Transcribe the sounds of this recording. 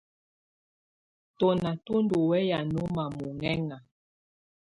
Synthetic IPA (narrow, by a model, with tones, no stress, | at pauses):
to˨na˨to˦ndo˨wɛ˦ja˨no˦ma˨mu˨ŋɛ˦ŋa˨